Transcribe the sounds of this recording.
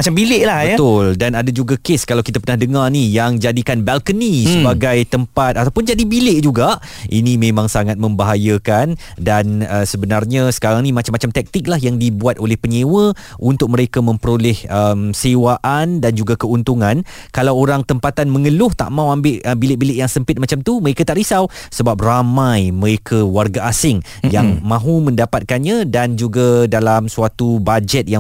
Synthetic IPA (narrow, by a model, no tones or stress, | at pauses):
mat͡ʃambilɪʔlahbət̪ʊldanadad͡ʒuɡakeskalawkit̪apərnahdəŋarnijaŋd͡ʒadikanbɛlkənisəbaɡajt̪əmpat̪̚at̪awpʊnd͡ʒadibilɪʔd͡ʒuɡaʔʔḭnimẽmãŋsaŋat̪̚mə̃mbaɦajəkan | danəsəbənarɲasə̥kaɾaŋnimat͡ʃamːat͡ʃamt̪ɛk̚t̪ɪk̚laɦjaŋdibuat̪olɛhpəɲewə | ʔunt̪ʊk̚məɾekamə̃mpəɾolɛhəmsewaʔandand͡ʒuɡakəunt̪uŋãn | kalawoɾaŋt̪əmpat̪anmə̃ŋəlʊht̪a̰ʔmãwambɪʔəbilɪʔbilɪʔjaŋsəmpɪt̪̚mat͡ʃamt̪uməɾekat̪aʔɾisaw | səbap̚ramãjməɾekʰawarɡaasɪŋ | jaŋmãɦumə̃ndapat̪̚kanɲãdand͡ʒuɡadalamsuat̪ubad͡ʒɛt̪̚ja